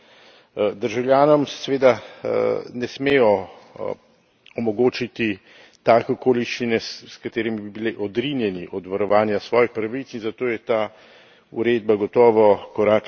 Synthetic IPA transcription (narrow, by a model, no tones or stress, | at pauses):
d̪əɾʒawljaːnɔmssɛʋeːd̪a | nɛsmeːjɔ | ɔmɔɡoːt͡ʃit̪i | t̪aːkɛɔkoːliʃt͡ʃinɛskat̪eːɾimibibiliʔɔd̪ɾinjɛniʔɔd̪ʋaɾɔʋaːnjasʋɔːjixpɾaʋit̪sinzat̪oːjɛt̪aː | ṵɾed̪̚baɡɔt̪ɔːʋɔkɔɾaːk